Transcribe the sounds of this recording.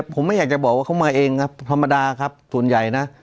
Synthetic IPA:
pʰo˩˦mːa˥˩jaː˨˩k̚t͡ɕa˨˩bɔː˨˩k̚waː˥˩ka˥˩maː˧ʔeː˧ŋkʰa˦˥p̚t̪ʰa˧mːa˧daː˧kʰa˦˥p̚su˨˩ənja˨˩jna˦˥ʔ

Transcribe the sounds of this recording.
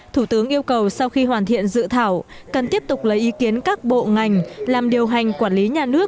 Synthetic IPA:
t̪ʰu˧˩t̪ɨ˨˦əŋʔi˧əwkə˨˩wsa˧wxi˧ɦwaː˨˩nt̪ʰḭ˧˨ənzɨ̰˧˨t̪ʰaː˧˩wkə˨˩nt̪i˦˥əp̚t̪ʊ˨˩k͡p̚lə˨˦jʔi˨˦ki˨˦ənkaː˦˥k̚ɓo̰˧˨ŋa˨˩jŋ̟laː˨˩mɗi˨˩əwɦa˨˩jŋ̟kwaː˧˩nli˨˦ɲaː˨˩nɨ˦˥ək̚

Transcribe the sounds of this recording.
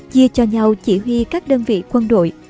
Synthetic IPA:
t͡ɕi˧ət͡ɕɔ˧ɲa˧wt͡ɕi˧˩ɦwi˧kaː˦˥k̚ɗəː˧nvḭ˧˨kwə˧nɗo̰˧˨j

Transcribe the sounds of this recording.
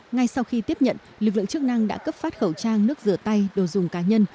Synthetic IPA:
ŋa˧jsa˧wxi˧t̪i˦˥əp̚ɲə̰˧˨n | lɨ˨˩k̚lɨ̰˧˨ŋt͡ɕɨ˦˥ək̚na˧ŋɗa̰ː˧˥kə˦˥p̚faː˦˥t̚xə˧˩wt͡ɕaː˧ŋnɨ˦˥ək̚zɨ˨˧˩ət̪a˧jɗo˨˩jzʊ˨˩ŋ͡mkaː˨˦ɲə˧n

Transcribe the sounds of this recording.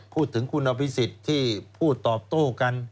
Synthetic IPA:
pʰuː˥˩t̪ʰːɯ˩˦ŋkʰu˧nːa˧pi˦˥si˨˩t̪ʰːiː˥˩pʰuː˥˩t̪ːɔː˨˩p̚t̪oː˥˩ka˧n

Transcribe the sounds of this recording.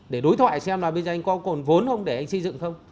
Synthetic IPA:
ɗe˧˩ɗo˨˦jt̪ʰwa̰ː˧˨jsɛ˧mlaː˨˩ɓə˧zɔː˨˩ʔa˧ŋ̟kɔ˨˦ko˨˩nvo˨˦nxə˧wŋ͡mɗe˧˩ʔa˧jŋ̟sə˧zɨ̰˧˨ŋxə˧wŋ͡m

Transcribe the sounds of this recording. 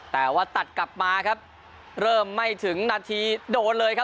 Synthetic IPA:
t̪ɛː˨˩waː˥˩t̪a˨˩t̪̚kla˨˩p̚maː˧kʰa˦˥p̚ | ɾɤː˥˩mːa˥˩jt̪ʰɯ˩˦ŋnaː˧t̪ʰiː˧doː˧nlɤː˧jkʰa˦˥

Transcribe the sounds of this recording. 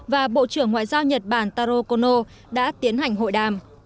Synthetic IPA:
vaː˨˩ɓo̰˧˨t͡ɕɨ˧˩əŋːwa̰ː˧˨jzaː˧wɲə˨˩t̚ɓaː˧˩nt̪aː˧ɾo˧ko˧no˧ | ɗa̰ː˧˥t̪i˨˦ənha˨˩jŋ̟ɦo̰˧˨jɗaː˨˩m

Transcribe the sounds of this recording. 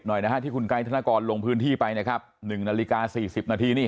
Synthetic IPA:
p̚nɔ˨˩jna˦˥kʰa˦˥t̪iː˥˩kʰu˧nka˧˥jt̪ʰa˧naː˧˥˩kɔː˧nlo˧ŋpʰɯː˦˥nt̪ʰiː˥˩pa˧jna˥˩kʰa˦˥p̚nɯ˨˩ŋnaː˧li˦˥kaː˧siː˨˩si˨˩p̚naː˧t̪ʰiː˧niː˥˩

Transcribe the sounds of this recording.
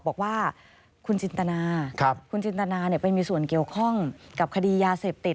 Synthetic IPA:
bɔː˨˩k̚waː˥˩ | kʰu˧nt͡ɕi˧nt̪a˧naː˧kʰa˦˥p̚kʰu˧nt͡ɕi˧nt̪a˧naː˧ni˧˩pa˧jmiː˧su˨˩ənki˨˩əwkʰɔ˥˩ŋka˨˩p̚kʰa˧diː˧jaː˧seː˨˩p̚t̪i˨˩t̪̚

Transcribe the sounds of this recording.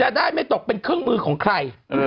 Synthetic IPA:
t͡ɕa˨˩daː˥˩jma˥˩jt̪o˨˩k̚pe˧nkʰɯ˥˩əŋmɯː˧kʰɔː˩˦ŋkʰɾa˧j

